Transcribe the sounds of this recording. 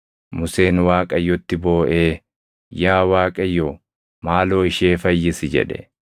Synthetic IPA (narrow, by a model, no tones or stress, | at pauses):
mʊse̞ːnwaːkʼɐjːɔt̪ːɪbo̞ːʔeː | jaːwaːkʼɐjːo | maːloːɪʃeːfɐjːɪsɪd͡ʒɛ̰ᶑɛ̰